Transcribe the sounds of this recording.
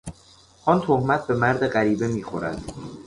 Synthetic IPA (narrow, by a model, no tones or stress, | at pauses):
ʔɒːnt̪ʰohmæt̪̚ʰbe̞mæɾd̪e̞ɢæɾiːbe̞miːxoɾæ̰d̪̥